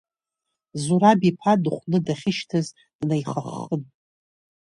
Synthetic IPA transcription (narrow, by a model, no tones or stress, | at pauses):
zuɾabipʰadɨχʷnɨdaχʲɪʃtʰɨz | d̥najχaχən